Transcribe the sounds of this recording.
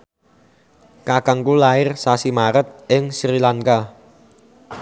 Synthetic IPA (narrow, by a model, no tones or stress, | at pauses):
kakəŋkulaɪrsasimaɾət̪̚ʔɪŋsɾilaŋka